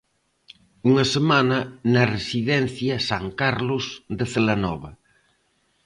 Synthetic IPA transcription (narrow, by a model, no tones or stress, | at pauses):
uŋɐsemanɐnɐresiðɛn̟θjɐsaŋkaɾlosðeθelanɔβɐ